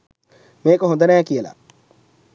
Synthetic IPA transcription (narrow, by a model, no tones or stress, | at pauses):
mẽkoɦõnd̪anaãkijela̰ː